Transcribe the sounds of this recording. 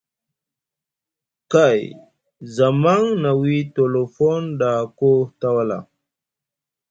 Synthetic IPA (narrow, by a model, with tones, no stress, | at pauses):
ka˦˨j | za˨ma˦ŋna˨wi˦to˨lo˨fo˦nda˨ko˦ta˦wa˦la̰˨